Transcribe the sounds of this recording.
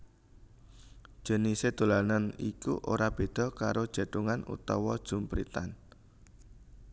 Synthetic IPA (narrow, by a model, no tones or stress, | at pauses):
ʒ̥ə̤nised̪̥o̤lananikṵʔo̰ɾab̥e̤d̪̥ɔ̤kaɾod̥ʒ̥a̤ɖ̪̥uŋanṵt̪ɔwɔd̥ʒ̥ṳmpɾḭt̪a̰n